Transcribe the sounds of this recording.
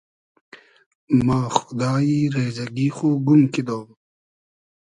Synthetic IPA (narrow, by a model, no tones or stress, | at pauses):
maːxʊd̪aːiɾeːzɐɡiːxoːɡumkid̪oːb